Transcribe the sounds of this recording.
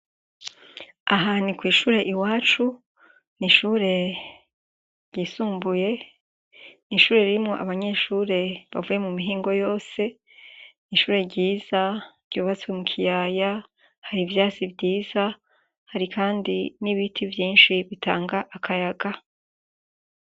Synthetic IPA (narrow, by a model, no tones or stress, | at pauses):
aɦanikwiːʃuːɾe̞ʔiwaːt͡ʃu | niʃuːɾe̞ | ɾɟiːsuːmbuje̞ | niʃuːɾe̞ɾiɾimŋo̞ʔa̰βaɲe̞ːʃuːɾe̞βa̰vuje̞mumiɦiːŋɡo̞jo̞ːse̞ | niʃuːɾe̞ɾɟiːz̥aɡ̥uːβat͡swemukʰijaːja | haɾivjaːt͡sivɟiːza | haɾikaːndiniβitʰivjiːnʃiβitaːŋɡaʔakʰajaɡa